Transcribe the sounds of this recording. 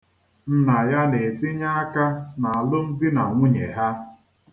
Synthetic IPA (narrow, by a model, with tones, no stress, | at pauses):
n̩˦na˨ja˦ne˨tɪ˦ɲa˦a˦ka˦na˨a˨lʊ˦m̩˦bi˦na˨ŋʷʊ˦ɲe˨ɦa˦